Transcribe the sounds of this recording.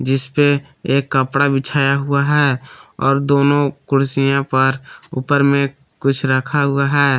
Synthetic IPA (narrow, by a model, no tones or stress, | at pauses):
d͡ʒɪspe | eːkːəpɽabɪt͡ʃʰaːjaɦʊaɦɛːɔːɾd̪oːnõkʊɾsijãpəɾʊpəɾmẽ | kʊt͡ʃʰɾəkʰaɦʊaɦɛː